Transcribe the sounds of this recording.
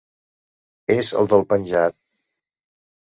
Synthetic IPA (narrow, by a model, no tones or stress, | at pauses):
ezə̰lˠd̪əlˠpənʲʒat̪̚